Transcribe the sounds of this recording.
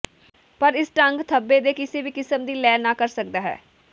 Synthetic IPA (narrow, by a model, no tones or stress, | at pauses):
pəɾɪsʈəŋɡt̪ʰəbːeːd̪eːkɪsiːbiːkɪsəmd̪iːlɛːnːãːkəɾsəkd̪aːɦɛ̰ː